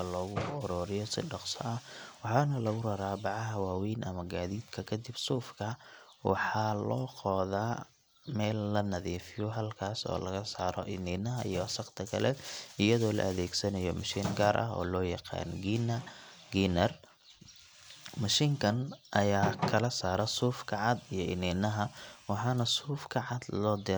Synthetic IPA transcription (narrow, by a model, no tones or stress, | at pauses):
ɐlɔːɣʊɔɾɔːɾɪjɔsɪ̰ɖɑqsɐʔɐhwɑħɑːnɐlɐɣʊrɐɾaːbɑʕɑɦɐwaːwiːnʔɐmɐɡaːðiːd̪kʰɐkʰɐd̪ɪb̥suːfkʰɐ | wɑ̰ħɑːlɔːqɔːðaː | mɛːlːɐnɐðiːfɪjɔɦɐlkʰaːsɔ̰ːlɐɣɐsaːɾɔ̰ʔɪnɪnɐɦɐʔijɔwɐsɐqt̪ʰɐkʰɐlɛɪjɐðɔːlɐ̰ʔɐðɛːɡsɐnɐjɔmɐʃiːŋɡaːɾʔɐɦɔ̰ːlɔːjɑqɑ̰ːnɡinɡinɐr | mɐʃiːŋkʰɐnʔɐjaːkʰɐlɐsaːɾɐsuːfkʰɐʕɑd̪ijɞɪniːnɐɦɐwɑħɑːnɐsuːfkʰɐʕɑd̪lɔːd̪ɪ